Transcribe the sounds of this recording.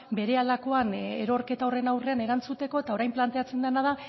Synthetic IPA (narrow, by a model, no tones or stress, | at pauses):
be̞ɾe̞alako̞aneɾo̞ɾke̞t̪ao̞re̞nawre̞ane̞ɾant͡sut̪e̞ko̞et̪aoɾajmplant̪e̞at͡se̞nd̪enað̞a